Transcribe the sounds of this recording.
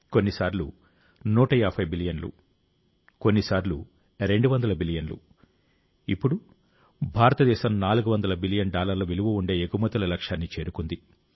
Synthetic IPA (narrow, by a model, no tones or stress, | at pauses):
ko̞nːisaːɾlu | nuːʈɐjaːpʰɐjbilijɐnlṵ | ko̞nːisaːɾlṵ | ɾe̞ɳɖuʋɐnd̪ɐlɐbilijɐnlṵ | ipːuɽu | bʱaːɾɐt̪ɐd̪ɛːʃɐmnaːluɡuʋɐnd̪ɐlɐbilijɐnɖaːlɐɾlɐʋiluʋuuɳɖe̞ːeɡumɐt̪ɐlɐlɐkʂaːnːit͡ʃe̞ːɾukund̪i